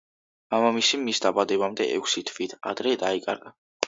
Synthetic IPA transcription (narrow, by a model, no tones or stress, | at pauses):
amamisimisd̪abad̪ɛbamd̪ɛʔɛ̰kʰsit̪ʰvit̪ʰa̰d̪ɾɛd̪aikʼaɾɡa